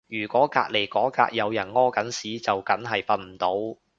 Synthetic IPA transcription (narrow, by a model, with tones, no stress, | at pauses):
jyː˨˩kʷɔː˨˥ka̰ː˧k̚le˨˩jkɔː˨˥ka̰ː˧k̚jɐ˨˧wjɐ˨˩nŋɔː˥kɐ˨˥nsiː˨˥t͡sɐ˨wkɐ˨˥nɦɐ˨jpɐ˧t̚m̩˨˩t̪o˨˥w